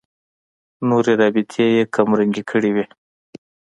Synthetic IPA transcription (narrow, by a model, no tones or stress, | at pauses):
noɾeɾɑbɪt̪ʰejekʰamɾəŋɡikʰəɽiwi